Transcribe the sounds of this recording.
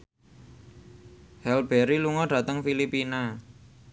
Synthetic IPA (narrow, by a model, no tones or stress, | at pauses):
hɛlbɛɾiluŋɔɖ̥ä̤t̪əŋfilipina